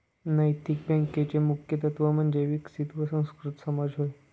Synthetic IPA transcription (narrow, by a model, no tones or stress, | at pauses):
nəjt̪ik̚bɛ̃ŋkːet͡ɕemukʰjət̪ət̪ʋəmənd͡ʑeʋiksit̪ʋəsə̃w̃skɾut̪səmad͡ʑɦoj